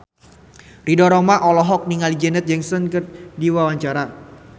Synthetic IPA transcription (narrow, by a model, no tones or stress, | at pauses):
ridɔɾɔmaʔɔlɔɦɔk̚niŋalid͡ʒɛnɛt̪̚d͡ʒɛŋsɔnkɨrdiwawaɲt͡ʃaɾa